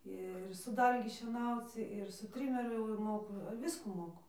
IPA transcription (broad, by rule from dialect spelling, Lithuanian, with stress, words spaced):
ˈɪr sʊ ˈdɐlʲɡʲɪ ʃʲiɛˈnɐʊt͡s ɪr sʊ ˈtʲrʲɪmʲɛrʲʊ jɛʊ ɪr ˈmoːkʊ ˈʋʲɪskuː ˈmoːkʊ